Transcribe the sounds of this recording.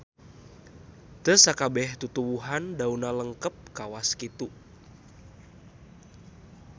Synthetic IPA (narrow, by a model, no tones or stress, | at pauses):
t̪əsakabɛht̪ut̪uwuɦandaunaləŋkəp̚kawaskit̪u